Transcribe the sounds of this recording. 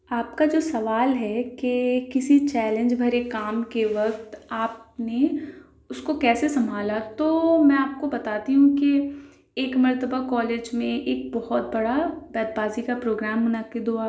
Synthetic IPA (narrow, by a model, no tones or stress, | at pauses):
aːpkad͡ʒoːsɐʋaːlɦɛkekɪsit͡ʃɛːlə̃ɲd͡ʒbʱɐɾekaːmkeʋɐk̚t̪aːp̚ne | ʊskokɛːsesɐmbʱaːlat̪oːmɛ̃ːaːp̚kobɐt̪aːt̪iɦũki | eːkmɐɾt̪əbakɔːleːd͡ʒmẽʔeːk̚bɔhɔt̪̚bɐɽabɛːd̪̚baːzikapɾoːɡɾaːmːʊnakɪd̪ɦoaː